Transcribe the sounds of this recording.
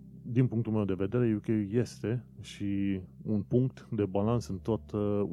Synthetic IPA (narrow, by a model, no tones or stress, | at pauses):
d̪inpuŋkt̪ulmewd̪e̞ve̞d̪e̞ɾejewkʲeuje̞st̪e̞ʃiunpuŋk̚t̪d̪e̞balansɨnt̪o̞t̪